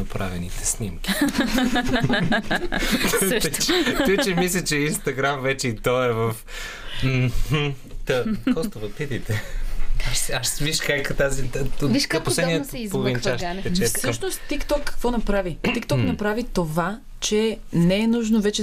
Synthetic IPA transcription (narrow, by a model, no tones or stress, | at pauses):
ɐpɾa̰vɛnit̪ɛ̥snimkʲi | t̪t͡ʃt̪ɔjt͡ʃɛmislʲɛt͡ʃɛinst̪ɐɡɾamvɛt͡ʃɛit̪ɔɛvəf̩ | t̪ɐkɔst̪ovɐpit̪it̪ɛaʃsɛaʃsviʃkajkt̪azit̪viʃkaposlɛd̪niɛzpovint͡ʃaʃp̪ɛt͡ʃɛssɤʃnost̪t̪ːikt̪ɔkːɐ̥kvɔnɐpɾavit̪ik̚t̪ɔknɐpɾavit̪ova | t͡ʃɛnɛɛnuʒnovɛt͡ʃɛ